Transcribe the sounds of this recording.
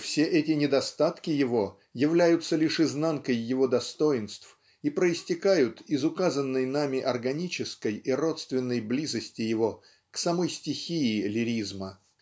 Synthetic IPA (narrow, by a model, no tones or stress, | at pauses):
fsʲeʔɛtʲɪnʲɪd̪ɐst̪at̪kʲɪjɪvo̞ | jɪvlʲæjʊt̪səlʲɪʂɨznankəjːɪvo̞d̪ɐst̪o̞ɪnst̪f | ipɾəɪsʲtʲɪkajʊt̪ɪzʊkazənːəjnamʲɪʔɐrɡɐnʲit͡ɕɪskəjiro̞t̪st̪vʲɪnːəjblʲizəsʲtʲɪjɪvo̞ | ksɐmo̞jsʲtʲɪxʲiɪlʲɪɾʲizmə